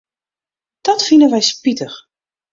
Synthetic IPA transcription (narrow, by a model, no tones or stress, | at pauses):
d̥ɔtfinənʋɛjspitəx